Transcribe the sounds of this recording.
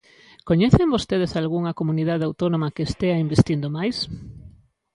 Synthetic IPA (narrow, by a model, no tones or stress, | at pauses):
koɲeθembost̪eð̞esalɣuŋɐkomuniðaðeawt̪onomɐkeːst̪eɐimbest̪ind̪omajs